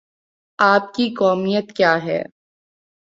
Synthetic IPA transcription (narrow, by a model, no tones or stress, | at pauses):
aːp̚kikɔːmijət̪kjaːɦɛ̰ː